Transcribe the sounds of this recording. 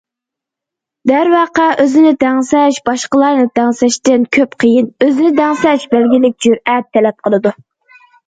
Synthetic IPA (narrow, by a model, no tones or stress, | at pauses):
d̪æɾwɑqɑʔøzɪnɪd̪æŋsɛʃbɑʃqəlˠɑɾnɨd̪æŋsɛʃt̪ɪnkʲʰøpqʰəjinøzɪnɪd̪æŋsɛʃbælɡʲilɪk̚ʲd͡ʒyɾɛt̪ʰːɛlɛp̚qʰəlˠɨd̪u